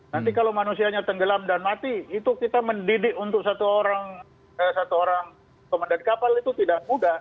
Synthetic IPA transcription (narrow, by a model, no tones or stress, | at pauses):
nant̪̬ikalawmanusiaɲat̪əŋɡəlamdanmat̪iit̪ukit̪aməndidɪkunt̪ʊk̚sat̪uoɾaŋ | əsat̪uoɾaŋ | komandankapalit̪ut̪idaʔ̚mudah